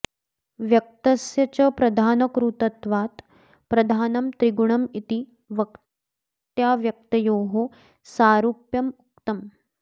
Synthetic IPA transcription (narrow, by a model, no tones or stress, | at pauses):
ʋjɐk̚t̪ɐsjɐt͡ɕɐpɾɐd̪ʱaːnɐkɾut̪ɐt̪ʋaːt̪ | pɾɐd̪ʱaːnɐmt̪ɾiɡuɳɐmit̪i | ʋɐk | t̪jaːʋjɐk̚t̪ɐjoːɦo | saːɾupjɐmuk̚t̪ɐm